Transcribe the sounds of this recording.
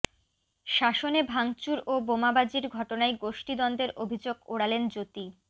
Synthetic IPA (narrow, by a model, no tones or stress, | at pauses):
ʃaʃonebʱaŋt͡ɕuɾobomabad͡ʑiɾɡʱɔʈonaeɡoʃʈid̪ɔnd̪eɾʔobʱid͡ʑoɡoɽalend͡ʑot̪i